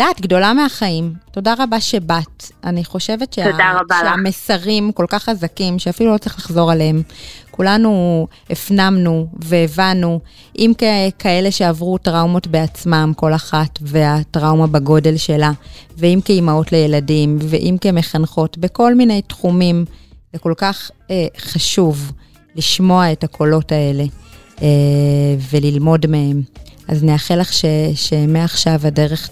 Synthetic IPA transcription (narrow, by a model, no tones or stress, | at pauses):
d̥aːtɡdo̞lameaχaimto̞daʁabaʃe̞bataniχo̞ʃe̞vetʃeadaʁabaʃeamesaʁimko̞lkaχazakimʃeafilulo̞t͡sɐʁiχlaχzo̞ʁaleemkulanu | efnamnuve̞ːvanu | ʔimkekʰaele̞ʃeavʁutʁawmo̞tbe̞at͡smamko̞laχatve̞atʁawmabaɡo̞de̞lʃe̞laveimkejmao̞tle̞jeladimvḛʔimkemeχanχo̞tbeko̞lmine̞jtχumimleko̞lkaχχaʃuv | liʃmo̞ae̞takʰo̞lo̞tae̞le̞e | ve̞lilmo̞dme̞hemʔa̰zneaχelaχʃeʃemeaχʃavade̞ʁe̞χ